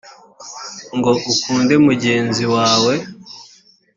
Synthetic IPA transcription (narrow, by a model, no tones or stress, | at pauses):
ŋɡo̞ʔukuːnde̞muɟe̞ːnziwaːwe̞